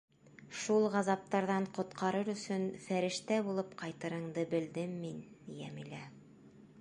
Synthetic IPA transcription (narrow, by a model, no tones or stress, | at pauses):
ʃulˠʁɑzɑp̚t̪ɑɾðɑɴqŏt̪qʰɑɾɤɾɵ̆sɵnfæɾɘ̆ʃt̪æbulˠɤpqɑjt̪ɤ̆ɾɤ̆ɴd̪ɤbɘ̆ld̪ɘmːin | jæmilæ